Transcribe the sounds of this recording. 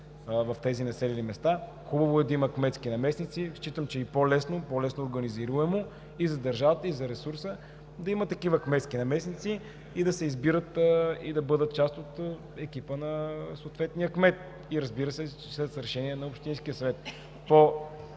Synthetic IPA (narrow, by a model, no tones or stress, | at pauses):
vɐft̪ɛzinɐsɛlʲɛlimɛst̪a | xubəvoɛd̪ɐiməkmɛt̪skinɐmɛsnit̪siʃt͡ʃit̪əmt͡ʃɛipolɛsnopolɛsnoːɾɡɐniziɾuɛmo | izɐd̪ɐɾʒavət̪əizɐɾɛsuɾsə | d̪ɐimət̪ːɐkivəkmɛt̪skinɐmɛsnit̪si | id̪ɐsɛizbiɾət̪id̪ɐbɤd̪ət̪̚t͡ʃast̪ot̪ | ɛkipənɐsoːt̪vɛt̪nijəkmɛt̪̚ | iɾəzbiɾəsɛ | slɛt̪sɾɛʃɛniɛnɐopʃt̪inskʲijəsɐvɛt̪̚ | po